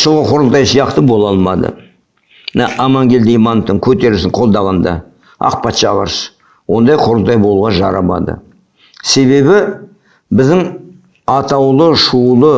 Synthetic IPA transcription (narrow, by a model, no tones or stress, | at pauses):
ʃəlˠʁəqʰo̞ɾlˠt̪ɑjsijɑqt̪əbo̞lˠɑlˠmɑd̪ə̰ | mnɑʔɑmɑŋɡʲe̞ld̪ejmɑnəft̪ːəŋkʲʰɵt̪e̞ɾɪsɪɴqʰo̞lˠd̪ɑʁɑnd̪ɑ̰ | ɑ̰qpɑt̪ʃɑʁɑ̰ɾs | wo̞nd̪ɑjqʰoɾəlˠt̪ɑjbolˠuʁɑnʒɑ̰ɾɑ̰mɑ̰d̪ə̰ | se̞βe̞bɪ | bɪzd̪ɪŋ | ɑt̪ɑwlˠəʃulˠə